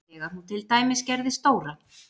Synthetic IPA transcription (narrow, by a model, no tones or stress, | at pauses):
ɛɣanut̪ʰɪlt̪aːjmɪscɛɾðɪst̪oːwɾa